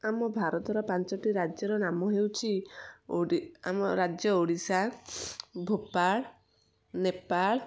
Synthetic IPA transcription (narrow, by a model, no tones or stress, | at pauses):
amɔbʱaɾɔt̪ɔɾɔpant͡ʃɔʈiɾad͡ʒjɔɾɔnamɔɦewt͡ʃʰioɽia̰mɔɾad͡ʒjɔoɽisa | bʱopaɭ | nepaɭ